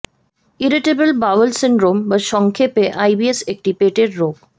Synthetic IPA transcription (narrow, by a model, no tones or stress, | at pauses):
iɾɪʈebəlbaʋəlsɪ̃ɳɖɾoːmʋɐʃɔŋkʰepeʔajbiesek̚ʈipeːʈeɖɾoːɡ̚